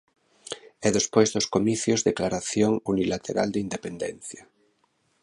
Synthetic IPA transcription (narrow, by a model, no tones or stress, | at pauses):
ɛðespojzðoskomiθjozðeklaɾaθjoŋunilat̪ʰeɾa̰ld̪eind̪epend̪en̟θja